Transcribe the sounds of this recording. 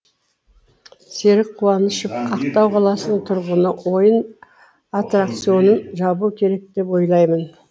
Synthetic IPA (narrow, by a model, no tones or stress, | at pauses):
se̞ɾɪk̚qʰːuɑnəʃəp̚qʰɑqt̪ɑwqʰɑlˠɑsənəɴt̪ʰʊɾʁənəwo̞jən | at̪rakt̪sijo̞nənʒɑbukʲʰe̞ɾe̞k̚d̪e̞pwo̞jlˠɑjmən